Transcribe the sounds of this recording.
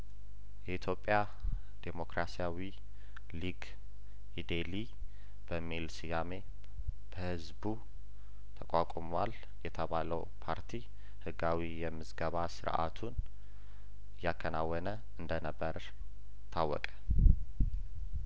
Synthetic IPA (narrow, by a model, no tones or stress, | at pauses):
jɛʔit̪ʰjo̞pʼja | d̪̥e̞mo̞kɾasijawi | liɡ | id̪eli | b̥əmːilsijame̞ | b̥əhɨzbu | t̪ʰəkʷʼakʷʼɔmwal | jɛt̪ʰəβaləw | pʰaɾt̪ʰi | hɨɡawijɛmːɨzɡəβasɨɾʔa̰t̪ʰun | jakʰːənawːɔnə | ɨnd̪ənəbːəɾ | t̪ʰawːɔ̰kʼə̥